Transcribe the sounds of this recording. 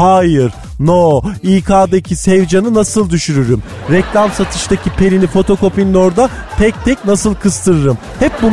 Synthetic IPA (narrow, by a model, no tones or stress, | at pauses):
haːjɯɾ | noːiːkʰaːd̪acʰisɛvd͡ʒanɯnasɯlˠd̪yʃyɾyɾym | ɾɛclʲamsat̪ʰɯʃt̪ʰacʰipʰe̞lʲinifo̞t̪ʰo̞ko̞pinlʲo̞ɾd̪a | t̪ʰɛc̚t̪ʰɛcnasɯlˠkʰɯst̪ʰɯɾɯɾɯm | hɛp̚bu